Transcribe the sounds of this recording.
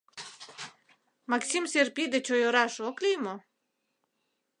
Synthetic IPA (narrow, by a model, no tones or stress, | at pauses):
maksʲimsʲeɾpʲid̪et͡ɕɔjɔɾaʃɔklʲijmɔ